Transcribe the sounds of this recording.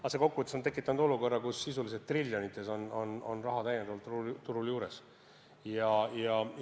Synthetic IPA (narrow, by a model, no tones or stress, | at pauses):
ɑse̞ko̞kːuvət̪esot̪e̞kːˑit̪ːˑɑnud̪o̞luko̞rːɑkusːisulis̬et̪̚t̪rilʲːjonit̪ːˑe̞so̞no̞no̞̰nrɑɦɑt̪æjend̪̥ɑɑlt̪ːt̪ːuɾuljuːɾe̞s | jɑjɑ